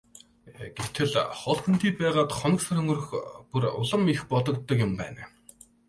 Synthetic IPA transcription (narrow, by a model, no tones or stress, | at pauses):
ɡ̥ew̥t̪ʰɘ̆ɮχɔɮt̪ɵ̆n̥t̪iːpæːʁaːt̪χɔnɞ̆ksarɵŋɡɵ̆rɵ̆xpurʊ̰ɮə̆mixpɔt̪ɞ̆k̚t̪ːɞ̆kjʊmpæ̰ːn